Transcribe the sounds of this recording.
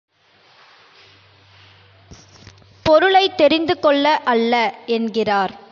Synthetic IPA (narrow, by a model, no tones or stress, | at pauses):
pɔɾɯɭɐɪt̪ːɛɾɪnd̪ɯkɔɭːɐʔɐɭːɐɛnɡɪraːɾ